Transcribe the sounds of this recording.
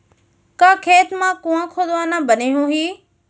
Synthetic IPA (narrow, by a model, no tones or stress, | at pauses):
kãːkʰeːt̪mãkũãkʰoːd̪oaːnãbəniɦũɦiː